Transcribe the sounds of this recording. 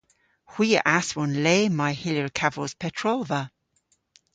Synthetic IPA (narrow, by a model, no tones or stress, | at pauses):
hw̥iːə̰ʔaswɔnlɛːmajhɪləɹkʰavəlz̥pʰɛtʰɹ̥olˠvə